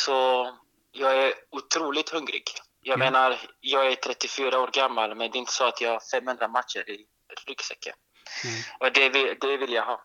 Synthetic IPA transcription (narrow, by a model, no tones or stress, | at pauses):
sɔ | jɑːɡæɾʊt̪ʰɾuːlɪt̪hɵŋɾɪ̰ɡ | jɑːɡmeːnaɾjɑːɡæʈʰɾɛt̪ːɪfyːɾaoːɾɡamːalmɛnd̪ɛɪnt̪ə̥sɔat̪ʰjɑːɡhaɾfɛmhɵnd̪ɾamat̪ʃə̰ɾɪ | ɾʏksɛ̰kʰːə̰ | ɔd̪ɛvɪd̪ɛvɪljaɡɦɑː